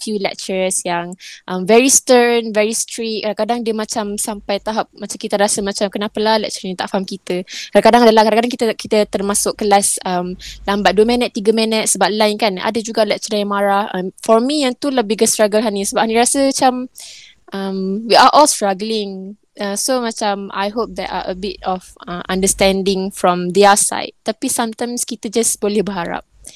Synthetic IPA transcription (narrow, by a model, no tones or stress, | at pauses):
fjulɛ̰k̚t͡ʃəɹsjaŋʔəmvɛɹist̪əɹnvɛɹist̪ɾit̚kːadãŋkadaŋdiəmãt͡ʃamsampajt̪aɦap̚mat͡ʃamkit̪əɾasəmãt͡ʃamkənapəlahlɛ̰k̚t͡ʃəjãŋt̪a̰ʔfaɦamkit̪əkadãkadaŋadəlahkaɾaŋkadaŋkit̪əkit̪ət̪ərmãsʊkkːəlasəmlambat̪̚duəmɛ̃nət̪ːiɡəmɛ̃nət̪̚səbap̚lajnkana̰dəd͡ʒuɡalɛk̚t͡ʃədajãŋmaɾahʔə̰mfɔɹmijãnt̪ulahbiɡəstɾaɡəlɦanisəbaphaniɾasəmat͡ʃam | ʔəmwiʔaʔɔlstɹaɡəlɪ̃ŋ | əsomat͡ʃama̰jɦop̚d̪ɛʔa̰ʔə̰bɪt̚ɔfəmã̰ndəst̪ɛ̃ndɪ̃ŋfɹɔ̃md̪iasa̰jt̚t̪apisãmt̪ãj̃mskit̪əd͡ʒasbolɛhbəɦaɾa̰p̚